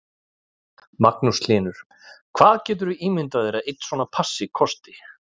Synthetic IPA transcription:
maknuslɪːnʏɾ̥ | kʰv̥aːðcɛːt̪̬ʏɾviiːmɪnt̪aðɪɾaðejt̪n̥svɔːnapʰasːɪkʰɔst̪ɪ

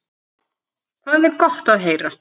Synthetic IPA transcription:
kʰvaːðɛɾkɔht̪aðɦeːjɾa

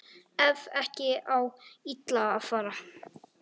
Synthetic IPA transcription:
ɛvɛhcɪawit̪laːðfaːɾa

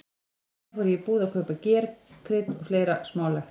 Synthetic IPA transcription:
vɔɾʏjɛpuːðakʰœːpacɛːɾkʰɾɪt̪ɔɣfleːjɾasmaːwlɛxt̪

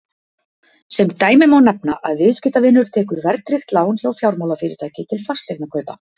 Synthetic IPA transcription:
sɛmt̪aːjmɪmawnɛpnaʔaðvɪðscɪːt̪avɪnːʏɾ̥t̪ʰɛːkʏɾvɛɾt̪ɾɪxt̪laːwnçawfjawɾmawlafɪːɾɪɾ̥t̪ʰaːjcɪt̪ʰɪlfast̪ɛknakʰœːɥpa̰

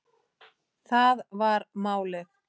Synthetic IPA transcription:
θaðvaɾmaːwlɛx

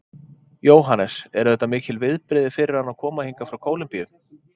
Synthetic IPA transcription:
joːwɦanɛsɛɾðɛht̪ːamɪːcɪlvɪðpɾɪðɪfɪɾɪɾ̥hanawkʰɔːmahiŋkafɾawkʰoːwlɪmpijʏ

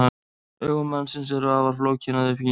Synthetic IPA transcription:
a | œːɣʏmansɪnsɛɾʏaːvaɾ̥floːwcʰɪnaðʏfi

